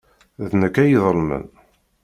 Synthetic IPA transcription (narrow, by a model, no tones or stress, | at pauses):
ðnəkːæjiðˤəlmə̰n